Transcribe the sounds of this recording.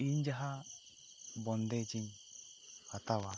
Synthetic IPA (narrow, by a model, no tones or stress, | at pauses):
iɲd͡ʒaɦa | bɔnd̪ɛt͡ʃin | hat̪awa